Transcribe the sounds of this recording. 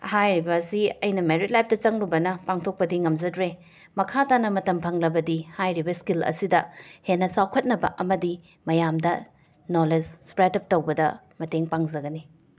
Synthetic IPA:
hajɾibɐsiɐjnɐmeɾit̚lajp̚ʰdɐt͡ʃɐŋlubɐnɐpaŋtʰok̚pɐdiŋɐmzɐdɾe | mɐkʰatanɐmɐtɐmpʰɐŋlɐbɐdihajɾibɐskilɐ̰sidɐhenːɐsawkʰɐt̚nɐbɐʔɐmɐdi | mɐjamdɐ | noled͡ʒspɾetɐp̚tɐwbɐdɐ̰ | mɐteŋpaŋzɐɡɐni

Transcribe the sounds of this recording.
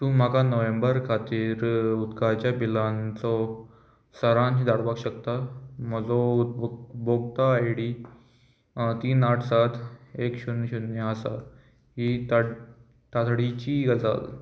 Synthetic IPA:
t̪ũm̤akanəʋẽmbəɾkʰat̪iːɾud̪kat͡ɕjabilãnt͡sɔ | səɾãnt͡ɕid̪aɽʋakɕəkt̪aməd͡zɔut̪̚bboɡt̪aːjɽi | t̪iːnaʈʰsat̪ʰekɕunːɕunːjəəsa̰ | ɦit̪a | t̪at̪ʰɽit͡ɕiɡəd͡za̰l

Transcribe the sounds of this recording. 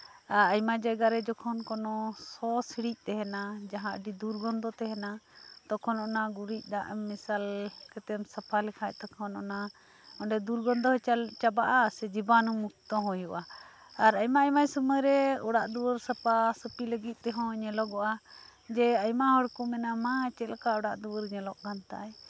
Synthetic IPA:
aɾajmad͡ʒajɡaɾɛd͡ʒɔkʰɔnkɔnɔsɔsiɽic̚ˀt̪ɛɦɛnad͡ʒaɦãʔɖid̪uɾɡɔnd̪ɔt̪ɛɦɛnat̪ɔkʰɔnɔnaɡuɾic̚ˀd̪a̰ʔmisalkɛt̪ɛmsapʰalɛkʰac̚t̪ɔkʰɔnɔ̰na | ɔɳɖɛd̪uɾɡɔnd̪ɔɦt͡ʃabaʔasɛd͡ʒibanumuk̚t̪ɔɦɔjuʔa | aɾajmaajmajsuməjɾɛɔɽaʔd̪uwəɾsapasəpiləɡit̪̚ˀt̪ɛɦɔ̃ɲɛlɔɡɔʔad͡ʒɛajmaɦɔɽkumɛnamat͡ʃɛlkaɔɽaʔd̪uwəɾɲɛlɔʔɡant̪a̰j

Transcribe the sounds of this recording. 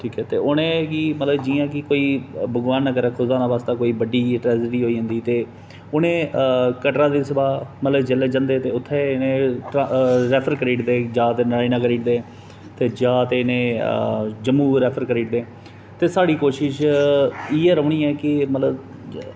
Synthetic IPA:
ʈʰiːkɛːt̪eːʔʊnẽːɡiːmət̪ləbd͡ʒiːãːkɪkoːiːbʱəɡʋaːnːəkəɾɛːkʰʊzaːnaːʋaːst̪aːkoːiːbəɖiːʈɾɛːd͡ʒəʈiːɦoːĩːnd̪iːt̪eː | ʊnẽːkəʈɾãːd̪eːsəbaːmət̪ləbd͡ʒəleːd͡ʒãːnd̪eːt̪eːʊt̪ʰːeːɪnẽːʈɾɛːpʰəɾkəɾiːʈd̪eːd͡ʒãːt̪eːnəɾaːinãːkəɾiːʈd̪eː | t̪eːd͡ʒãːt̪eːɪnẽː | d͡ʒəmːuːɾɛːpʰəɾkəɾiːʈ̚d̪eː | t̪eːsaːɽiːkoːʃɪʃ | iːeːɾəːɳ̃iːɛːkɪmət̪ləb

